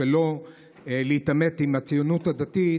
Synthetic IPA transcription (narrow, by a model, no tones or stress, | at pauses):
elo | leit̪ame̞t̪imat͡sijonut̪had̪at̪i